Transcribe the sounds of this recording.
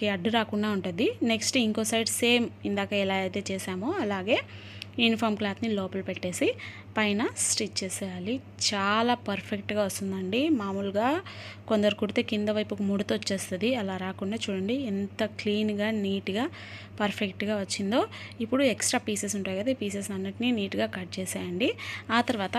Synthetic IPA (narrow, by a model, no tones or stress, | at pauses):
eɐɖːuɾaːkuɳɖaːuɳʈund̪ine̞ksʈiŋko̞ːsɐjɖse̞ːmind̪aːkaɛlaːɐjt̪e̞ːt͡ʃɛːsaːmoːɐlaːɡe̞ː | junipʰɐːɾmklaːt̪nilɔːpɐlpeʈːe̞ːsi | pɐjnɐsʈit͡ʃt͡ʃeːsɛːjaːli | t͡ʃaːlaːpɐɾpʰek̚ʈɡaːʋɐst̪und̪ɐɳɖimaːmulɡaːkond̪ɐɾukuɽit̪eːkind̪ɐʋɐjpukumuɽut̪ot͡ʃːeːst̪ɐd̪iɐlaːɾaːkuɳɖaːt͡ʃuːɽɐɳɖiːnt̪ɐkliːnɡaːniːʈɡaː | pɐɾpʰekʈɡaːʋɐt͡ʃːind̪o̞ːipːuɽueksʈɾaːpiːses̬uɳʈaːjkɐd̪eːpiːses̬ɐnːɐʈininiːʈɡaːkɐɾʈ̚t͡ʃɛːsaːjɐɳɖiaːt̪ɐɾʋaːt̪ɐ